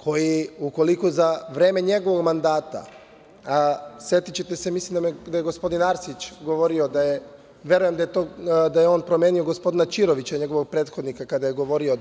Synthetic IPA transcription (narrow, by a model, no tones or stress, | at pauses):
kʰo̞jiuko̞likozaʋɾe̞ːme̞ɲe̞ɡo̞ʋo̞ɡmand̪aːt̪a̰ | asje̞t̪it͡ɕet̪e̞semislimd̪amed̪aje̞ɡo̞spo̞d̪inaɾsit͡ʃɡoʋo̞ɾio̞d̪aje | ʋje̞ɾuje̞md̪ajet̪o̞ːd̪ajeo̞ːnpɾomʲje̞ːnioɡo̞spo̞d̪inat͡ʃiɾoʋit͡ɕaɲe̞ɡo̞ʋo̞ɡ̚pɾeːt̪xod̪nikakad̪ajeɡo̞ʋo̞ɾio